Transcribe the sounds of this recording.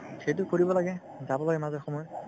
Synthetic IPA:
xejt̬ʊkoɹibɔlaɡɛ | zabɔlaɡɛmazɔɹxɔmɔjɔ

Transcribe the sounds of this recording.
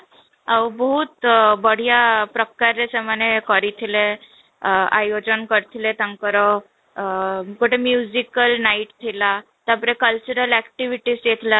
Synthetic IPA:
awbəɦut̪bəɽ̤ijapɾəkaɾesemənekəɾit̪ʰile | a̰jod͡ʑənkəɾt̪ʰilet̪ãŋkəɾɔ | kuʈemjuzikəlnaiʈt̪ʰilat̪japəɾekəlt͡ɕuɾəlækʈiʋiʈisjet̪ʰla

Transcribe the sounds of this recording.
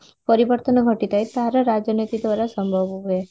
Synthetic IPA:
pəɾiʋəɾt̪ənəɡʱəʈit̪ajt̪aɾaɾad͡ʒjənit̪id̪ʋaɾasəmbʱəʋuɦe

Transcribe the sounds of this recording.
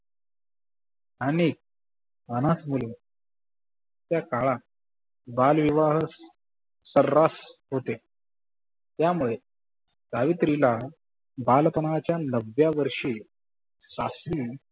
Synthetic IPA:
anik | ənasmulun | t̪jakaɭa | balʋiʋaɦsː | əɾːasɦot̪e | t̪jamuɭe | ɡaʋit̪ɾila | balpənʋat͡ɕjanəʋjaʋəɾʂiː | sasiː

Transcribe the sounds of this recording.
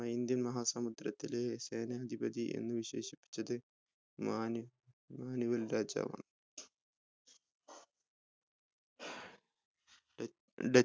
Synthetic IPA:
ɐind̪jɐnmɐɦaːsɐmud̪ɾɐt̪ːileseːnɐɐd̪ʱibɐd̪iʔḛnːuʋiɕe̞̰ːʃi̥pːi̥t͡ʃːɐd̪ɨ | ma | maːniʋɐlɾaːd͡ʒa̰ːʋɐ̰ːn | ɖɐ

